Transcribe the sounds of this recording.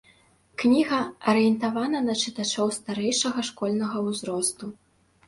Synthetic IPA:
knʲiɣɐɐɾɨjɛnt̪avanɐnɐt͡ʂɨt̪at͡ʂɔwst̪aɾɛjʂɐɣɐʂkɔlʲnɐɣɐwzɾɔst̪u

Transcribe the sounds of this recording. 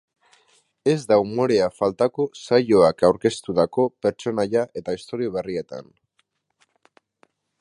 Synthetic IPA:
e̞zd̪aumo̞ɾe̞afalt̪ako̞sajo̞akawɾke̞st̪uðako̞pe̞ɾt͡ʃo̞naʎaʔe̞t̪aist̪o̞ɾio̞β̞e̞rie̞t̪a̰n

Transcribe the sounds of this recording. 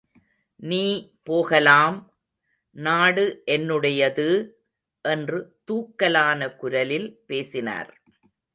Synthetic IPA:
niːpoːɣɐlaːm | naːɽɯʔɛnːɯɽɐjɐðɯ | ʔɛndrɯt̪uːkːɐlaːnɐkʊɾɐlɪlpeːsɪna̰ːɾ

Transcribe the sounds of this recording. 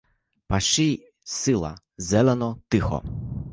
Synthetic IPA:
paʃij | sɪlˠɐ̰ | zɛlˠɛnɔt̪ɪxɔ̰

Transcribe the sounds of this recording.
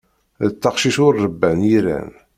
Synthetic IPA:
ðət͡s̪ːɑqʃiʃʊɾːəbːænjiɾæ̰n

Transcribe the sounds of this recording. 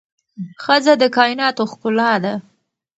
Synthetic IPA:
xəzad̪əkɑjɪnɑt̪oxkʊlɑd̪a

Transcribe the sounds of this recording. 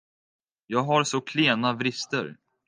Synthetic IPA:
jɑːɡɦaɾsɔkʰleːnavɾɪst̪ə̰ɾ

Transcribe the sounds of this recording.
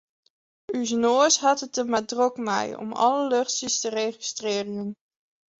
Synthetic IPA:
yznoːsɦɑtət̚dəmadrɔkma̰jɔ̰mɑ̰ləløχsistəreχi̥strɪːrɪən

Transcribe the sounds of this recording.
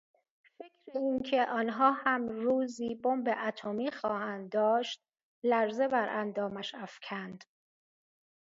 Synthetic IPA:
fe̞cʰɾeiːncʰe̞ʔɒːnɦɒːhæmɾuːziːbombe̞ʔæt̪ʰomiːxɒːhænd̪d̪ɒːʃt̪̚ | læɾze̞bæɾʔænd̪ɒːmæʃæfcʰænd̪̥

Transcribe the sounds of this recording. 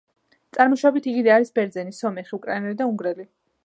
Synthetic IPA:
t̪sʼaɾmɔʃabit̪ʰiɡid̪ɛaɾisbɛɾd̪zɛnisɔmɛχiukʼɾainɛlid̪auŋɡɾɛli

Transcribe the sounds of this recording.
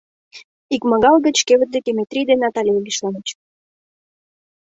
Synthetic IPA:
ikmɑɣɑlɡət͡ɕkeβə̆t̪̚d̪ekemet̪ɾʲid̪enːɑt̪ɑlʲieɡʲiʃlɑnət͡ɕ

